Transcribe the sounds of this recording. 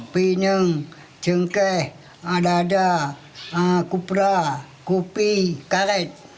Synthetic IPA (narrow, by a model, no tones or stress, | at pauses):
pinəŋ | t͡ʃəŋkɛh | adada | kupɾa | kupikaɾɛt̪̚